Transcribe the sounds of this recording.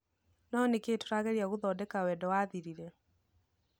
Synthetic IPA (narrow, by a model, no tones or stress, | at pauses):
nɔnekeːto̥ɾaɣeɾiaɣoðɔːdɛkawɛːdɔwaːðiɾiɾɛ